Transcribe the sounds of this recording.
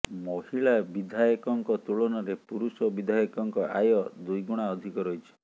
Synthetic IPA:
mɔhiɭabid̪ʱajɔkɔŋkɔt̪uɭɔnɔɾepuɾusɔbid̪ʱajɔkɔŋkɔʔajɔd̪ujɡuɽ̃aɔd̪ʱikɔɾɔɦit͡ʃʰɔ̥

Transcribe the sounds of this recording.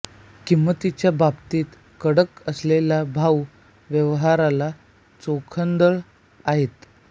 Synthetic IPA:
kimːət̪it͡ɕjababt̪iːt̪ | kəɽəkəslelabʱaw | ʋjəʋɦaɾala | t͡sokʰənd̪əɭ | aɦet̪

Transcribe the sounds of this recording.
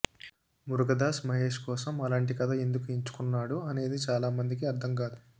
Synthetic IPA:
muɾuɡɐd̪aːsmɐɦe̞ːʂkɔːsɐmɐlaːɳʈ̬ikɐt̪ʰɐe̞nd̪ukuiɲt͡ʃu̥kunːaːɽuɐne̞ːd̪it͡ʃaːlaːmɐnd̪ik̬iɐɾt̪ʰɐmkaːd̪u

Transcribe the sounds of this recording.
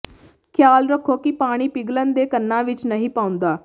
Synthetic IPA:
kʰjaːlɾəkʰːoːkɪpaːɽ̃iːpɪɡlənd̪eːkənːãːʋɪt͡ʃnəɦĩːpãːʊ̃nd̪aː

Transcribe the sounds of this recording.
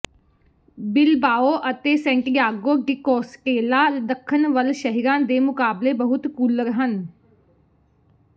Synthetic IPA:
bɪlbaːoːʔət̪eːsɛ̃ːɳʈjaːɡoːɖɪkoːsʈeːlaːd̪əkʰːənʋəlʃəɦiɾãːd̪eːmʊkaːbleːbəɦʊt̪kuːləɾɦən

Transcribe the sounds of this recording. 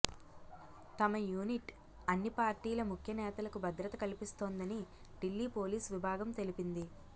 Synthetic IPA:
t̪ɐmɐjuːniʈ | ɐnːipaːɾʈiːlɐmukʰjɐnɛːt̪ɐlɐkubʱɐd̪ɾɐt̪ɐkɐlipist̪oːnd̪ɐni | ɖilːiːpo̞ːliːsʋibʱaːɡɐmt̪e̞lipind̪i

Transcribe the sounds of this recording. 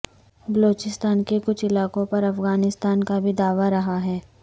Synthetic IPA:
bɐloːt͡ʃɪst̪aːnkekʊt͡ʃʰɪlaːkõpɐɾɐfɣaːnɪst̪aːnkabʱid̪aːʋaɾɐɦaɦɛː

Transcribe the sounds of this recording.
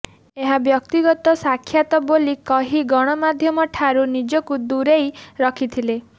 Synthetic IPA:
eɦabjɔkt̪iɡɔt̪ɔsakʰːjat̪ɔbolikɔɦiɡɔɽ̃ɔmad̪ʱjɔmɔʈʰaɾunid͡ʒɔkud̪uɾejɾɔkʰit̪ʰile

